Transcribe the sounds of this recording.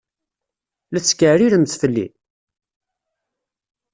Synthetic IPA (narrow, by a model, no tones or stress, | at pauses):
læt͡sːkːəʕɾiɾəmθθəlːḭ